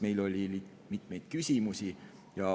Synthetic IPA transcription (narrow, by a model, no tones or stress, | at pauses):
me̞jlo̞lʲili̥ | mit̪me̞jd̪̥̚kysʲimusi | jɑ